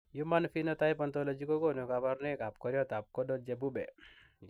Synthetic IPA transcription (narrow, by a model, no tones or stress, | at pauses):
jumanfinɔt̪ajpɔnt̪ɔlɔd͡ʒikɔkɔnukabaɾnekap̚kɔɾjɔt̪ap̚kɔdɔd͡ʒebubɛ